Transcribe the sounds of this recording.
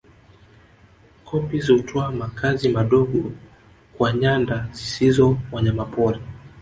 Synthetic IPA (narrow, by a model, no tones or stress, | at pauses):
kʰɔpiziutʰɔamakʰazimaɗɔɡɔ | kwaɲandazisizɔwaɲamapɔɾi